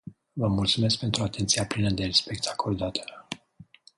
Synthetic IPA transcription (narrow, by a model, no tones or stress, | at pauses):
vəmult̪sume̞sk̚pe̞nt̪ɾuat̪ʰet̪sijaplinəd̪e̞ɾespe̞k̚t̪akʰord̪at̪ə